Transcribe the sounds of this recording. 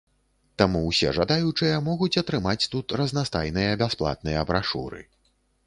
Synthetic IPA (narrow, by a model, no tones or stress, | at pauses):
t̪amuwsʲɛ̰ʐad̪ajut͡ʂɨjɐmɔɣut͡sʲɐt̪ɾɨmat͡sʲt̪ut̪rɐznast̪ajnɨjɐbʲasplˠa̰t̪̚nɨjɐbɾaʂṵɾɨ̰